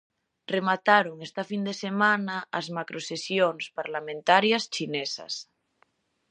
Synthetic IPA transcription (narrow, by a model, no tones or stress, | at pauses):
remat̪aɾuŋest̪afind̪esemanaːzmakɾʔosesjoŋspaɾlamẽnt̪aɾjast͡ʃinesa̰s